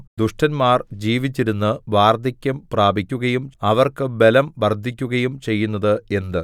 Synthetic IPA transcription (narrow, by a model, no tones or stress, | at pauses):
d̪uʂʈɐnmaːrd͡ʑiːʋit͡ɕːiɾunːɨʋaːrd̪ʱikʲːɐmpraːbʱikʲːuɣɐjumɐʋɐrkɨbe̞lɐmʋɐrd̪ʱːikʲːuɣɐjumt͡ɕe̞jːunːɐðɨe̞nd̪ɨ